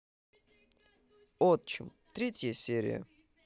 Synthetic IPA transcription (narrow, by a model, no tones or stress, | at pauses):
ot̪t͡ɕɪ̰m | t̪ɾʲetʲjəsʲeɾʲɪ̰jə̰